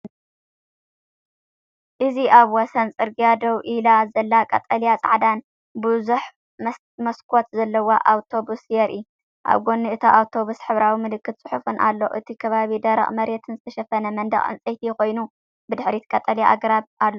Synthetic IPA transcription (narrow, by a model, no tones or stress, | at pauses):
ʔɨziʔaβwɔsɐnt͡sʼɨɾɡijad̪ɐwʔilazɐlːakʼɐ̰t̪ʼɐljat͡sʼa̰ʕd̪an | bɨzuħ | mɐskʰo̞t̪zɐlːɐwoʔawt̪ʰo̞busjɛɾʔɨ̰ju | ʔa̰βɡo̞nːiɨt̪ʰaʔawt̪ʰo̞βusħɨβɾawimɨlɨkːɨt̪̚t͡sʼɨħufunʔa̰lːo̞̰ʔɨt̪ʰikʰɐβaβid̪ɐɾɐ̰χʼmɐɾet̪ʰɨnzɨt̪ʰɐʃɐfɐnɐmɐnd̪ɐ̰χʼʕɨ̰nt͡sʼɐjt̪ʰijko̞jnu | bɨd̪ɨħɾit̪kʼɐt̪ʼɐljaʔaɡɐɾatalːo